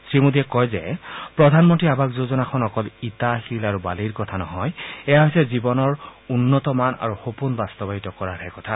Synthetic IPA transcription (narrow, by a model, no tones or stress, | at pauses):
sɹimudiɛkɔjzɛ̰pɹɔdʱanmɔntɹiabakzozɔnakʰɔnɔkɔlitaxilaɹubaliɹkɔtʰanɔɦɔjɛjaɦojsɛzibɔnɔɹunːɔtɔmana̰ɹuxopunbastɔbaɦitɔkɔɹaɹɛkɔtʰa